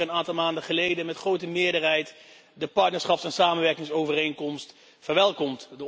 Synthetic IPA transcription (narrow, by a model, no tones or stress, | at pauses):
ənaːntɑlˠmaːndəχəlejdənmɛtχrowtəmɪːəɹdəɹɦɛjt | dəpɑɹtnəɹsχɑpsɛnsaːmənʋɛɹkɪŋsowvərejŋkɔmst | fəɹʋɛlˠkɔmtdə